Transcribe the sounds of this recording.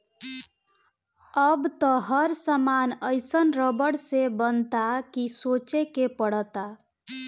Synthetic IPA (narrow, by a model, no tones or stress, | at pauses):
əbt̪əɦəɾsəmanəjsənɾəbəɽsebənt̪akisot͡ʃekepəɽət̪a